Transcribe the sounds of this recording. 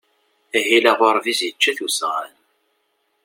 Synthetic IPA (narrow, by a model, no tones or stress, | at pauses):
æɦilæʁoɾˤvizjət͡ʃːæθusʁə̰l